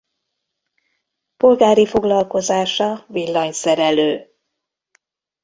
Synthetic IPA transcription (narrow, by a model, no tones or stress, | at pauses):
po̞lɡaːɾifo̞ɡlɒlko̞zaːʃɒvilːɒɲsɛɾɛløː